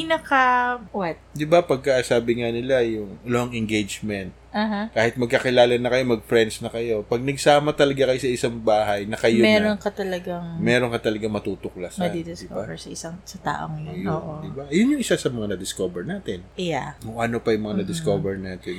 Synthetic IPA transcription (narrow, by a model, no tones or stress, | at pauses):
inɐkɐwɛt̪̚d̪ɪbapɐɡ̚kɐʔsaːbɪŋanɪlajʊŋloŋɛŋɡejd͡ʒmɛnt̪̚aɦakaːhɪt̪̚mɐɡ̚kɐkɪlaːlɐnɐkɐjo̞mɐɡ̚fɹɛnsnɐkɐjo̞pɐɡ̚nɐɡsaːmɐt̪ɐlɐɡakɐjosɐʔɪsaŋbaːɦɐjnɐkɐjomɛɾonkɐt̪ɐlɐɡɐŋmɛːɾonkɐt̪ɐlɐɡaŋmɐt̪uːt̪ʊklɐsɐid̪ɪsd̪ibaɛɹsɐʔɪsaŋsɐt̪a̰ːʔo̰ŋɐjojoʔod̪ibajʊnjʊŋʔɪsasɐmɐŋanɐd̪ɪskobɛɹnaːt̪ɛnjakʊŋʔɐno̞pɐjʊŋmɐŋanɐd̪ɪskoːbɛɹnaːt̪ɛn